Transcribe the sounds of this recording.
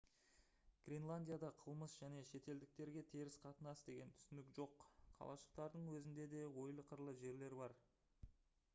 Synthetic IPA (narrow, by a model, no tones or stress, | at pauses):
ɡ̥rʲenlˠanʲdʲijad̪ɑqʰəlˠməsʒ̥æne̞ʃe̞t̪e̞ld̪ɪk̚t̪e̞ɾɡʲe̞t̪ʰeɾɪsqʰɑt̪ənɑsd̪e̞ɡʲe̞nt̪ʰʏ̥sɪnɪkʒo̞qqʰːɑ̰lˠɑ̰ʃə̥qt̪ɑɾd̪əɴwɵzɪnd̪e̞d̪e̞wo̞jlˠəqʰəɾlˠəʒe̞ɾle̞ɾbɑɾ